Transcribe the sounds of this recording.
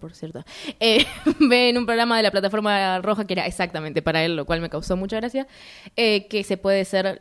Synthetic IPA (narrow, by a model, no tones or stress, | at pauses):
po̞ɾsje̞ɾt̪oebeːnumpɾoɣɾamaðe̞laplat̪afoɾmaro̞xakee̞ɾaʔesak̚t̪ament̪e̞paɾaelːo̞kwalme̞kawso̞mut͡ʃaɣɾasja | ekese̞pwe̞ð̞eseɾ